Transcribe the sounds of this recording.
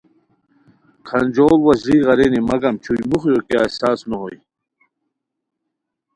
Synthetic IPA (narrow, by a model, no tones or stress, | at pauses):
kʰɐnʲd͡ʑoːlwɐzɾiːʁɐɾenimɐɡɐmt͡ɕʰujmuχjokasaːsnoɦoj